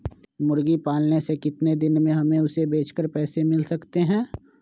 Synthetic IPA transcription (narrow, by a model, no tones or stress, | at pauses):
mʊɾɡipaːlnesekɪt̪ned̪ɪnmẽɦɐmẽʊsebeːt͡ʃkəɾpɛːsemɪlsɐkt̪eɦɛ̃ː